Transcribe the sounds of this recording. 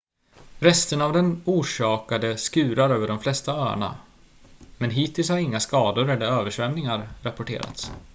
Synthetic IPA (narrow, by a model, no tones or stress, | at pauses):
ɾɛst̪ənavd̪ɛnuːʂɑːkad̪əskʉ̟ːɾaɾøːvəɖɔmflɛst̪aøːɳa̰ | mɛnɦiːt̪ɪlshaɾɪŋːaskɑːd̪ʊɾɛd̪æɾøːvəʂvɛmnɪŋaɾːapɔʈḛːɾa̰t̪s